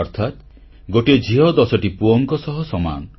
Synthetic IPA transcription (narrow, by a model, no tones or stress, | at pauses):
ɔɾt̪ʰat̪ | ɡoʈed͡ʒʱiɦɔd̪ɔsɔʈipuɔŋkɔsɔɦɔsɔma̰nɔ